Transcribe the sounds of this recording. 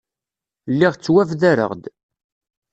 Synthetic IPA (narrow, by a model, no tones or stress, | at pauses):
lːiʁt͡sːwævðæɾə̰ʁd̪